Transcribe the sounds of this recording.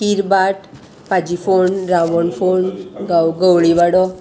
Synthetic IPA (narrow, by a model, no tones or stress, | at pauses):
kiɾbaʈ | pad͡ʒifonɾaʋɔnfonɡawɡəwɭiʋaɽɔ